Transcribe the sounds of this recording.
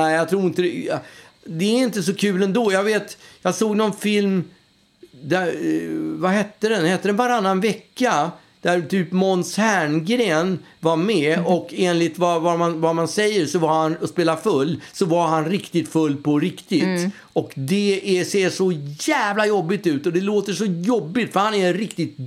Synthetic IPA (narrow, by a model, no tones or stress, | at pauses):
nɛjɑt̪ʰɾuːɾɪnt̪əɛ | d̪ɛæɾɪnt̪əsɔkʰʉ̟ːlɛnd̪oːjɑɡveːt̪jɑːɡsoːɡnɔnfɪlm | d̪æɾvahɛt̪ːəd̪ɛnhɛt̪ːəd̪ɛnvaɾanːanvɛkːa | d̪̥æɾt̪ʰyːpmɔnshæɳɡɾeːnvaɾmɛɔkeːnlɪt̪vavamanvamansɛjːəɾʂɔvaɾhanɔspeːlafɵlːsɔvaɾɦanɾɪkt̪ɪt̪fɵlːpʰɔɾɪkt̪ɪt̪ | ɔkd̪ɛæseːʂɔjæːvlajɔbːɪt̪ʉ̟ːt̪ɔd̪ɛloːt̪əʂɔjɔbːɪt̪fœɾhanæɾɾɪkt̪ɪt̪̚